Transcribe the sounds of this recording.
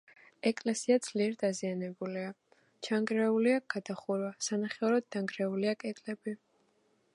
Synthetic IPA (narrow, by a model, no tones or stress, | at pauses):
ɛkʼlɛsiad̪z̥liɛɾd̪azianɛbulia | t͡ʃʰaŋɡɾɛuliaɡ̥ad̪aχuɾwasanaχɛɔɾɔd̪̚d̪aŋɡɾɛuliakʼɛt̪ʼlɛbi